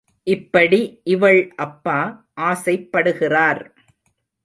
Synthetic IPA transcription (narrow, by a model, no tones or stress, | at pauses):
ʔɪpːɐɽiʔɪʋɐɭʔɐpːaː | ʔaːsɐɪpːɐɽɯɣɪraːɾ